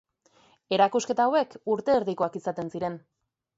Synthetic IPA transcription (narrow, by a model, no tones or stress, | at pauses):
e̞ɾakuske̞t̪aːwe̞kuɾt̪e̞ːɾðiko̞akisat̪e̞nsiɾe̞n